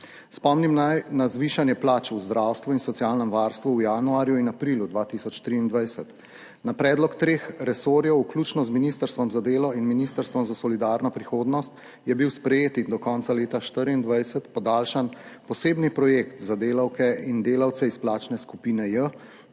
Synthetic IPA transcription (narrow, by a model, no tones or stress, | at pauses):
spɔmnimnazʋiːʃanjɛplaːt͡ʃuzd̪ɾaːwst̪ʋuinsɔt̪sjaːlnɛmʋaɾst̪ʋuwjanuaːɾjuinapɾiljud̪ʋaːt̪isɔt͡ʃt̪ɾiːnd̪ʋajsɛt̪ | napɾɛːd̪lɔkt̪ɾeːxɾɛsoːɾjɛwukluːt͡ʃnɔzminist̪əɾst̪ʋɔmzad̪eːlɔinminist̪əɾst̪ʋɔmzasɔlid̪aːɾnɔpɾixoːd̪nɔst̪ | jɛbiwspɾɛjeːt̪ind̪ɔkɔnt̪saleːt̪aʃt̪əɾind̪ʋajsɛt̪pɔd̪aːlʃanpɔseːbnipɾɔjekt̪zad̪eːlawkɛind̪eːlawt̪sɛisplaːt͡ʃnɛskupiːnɛjə